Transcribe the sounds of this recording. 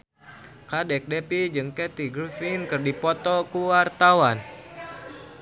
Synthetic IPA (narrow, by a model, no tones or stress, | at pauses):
kadɛk̚dɛpid͡ʒɨŋkɛt̪iɡɾifinkɨrdipɔt̪ɔkuwart̪awan